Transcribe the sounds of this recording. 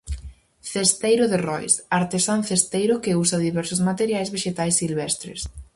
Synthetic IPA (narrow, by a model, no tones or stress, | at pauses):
θest̪ejɾʊðerɔjsaɾt̪esanθest̪ejɾʊkɪusɐðiβɛɾsʊzmat̪eɾjajzβeʃet̪ajsːilβɛst̪ɾɪ̰s